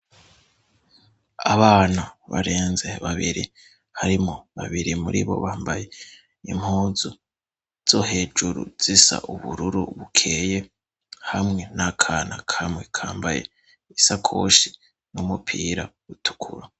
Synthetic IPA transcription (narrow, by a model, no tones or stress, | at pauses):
aβaːnaβa̰ɾe̞ːnze̞βaβiɾḭ | haɾimoβaβiɾimuɾḭβo̞̰βaːmbaje̞ | im̥huːzu | z̥o̞ɦe̞ːd͡ʒuɾṵz̥isa̰ʔuβuɾuɾuβukʰeje̞ | hamŋe̞nakʰanakʰamŋe̞kʰaːmbajḛ | isakʰo̞̰ʃi | numupʰiːɾaβutʰu̥kʰuɾo